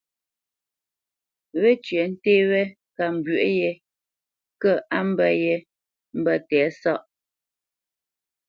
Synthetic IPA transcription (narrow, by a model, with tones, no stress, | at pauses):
we˦t͡ʃɥɛ˨n̩˦teː˦wɛ˦ | ka˨m̩˨bɥʔjɛ˨ | kə˦ʔa˦m̩˦bɛ˦jɛ˦ | m̩˦bə˦˨tɛː˨˦sɔ˦ʔ